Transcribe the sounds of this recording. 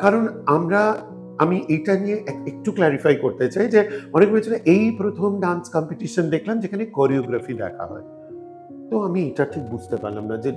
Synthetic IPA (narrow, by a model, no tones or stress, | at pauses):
kaɾonamɾa | amiʔejʈanijeʔek̚ʈuklɛɾifajkoɾt̪et͡ɕajd͡ʑeɔnekbet͡ɕʰoɾeʔejpɾot̪ʰomɖanskɔmpeʈiʃond̪ekʰlamd͡ʑekʰanekoɾioɡɾafid̪ɛ̰kʰa̰ɦɔ̰e | t̪oamiejʈaʈʰik̚bud͡ʑʱt̪epa̰ɾlamnad͡ʑe